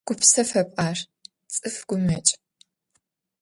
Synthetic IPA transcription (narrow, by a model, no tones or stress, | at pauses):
ɡ̥ʷʊpsɐfɐpʼaːr | t͡sʼɨfɡ̥ʷʊmɐt͡ʃʼ